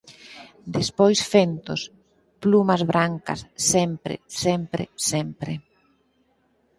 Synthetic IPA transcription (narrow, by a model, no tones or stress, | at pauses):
d̪espojsfent̪os | plumɐzβɾaŋkɐ̰sːɛmpɾḛsɛmpɾḛsɛmpɾe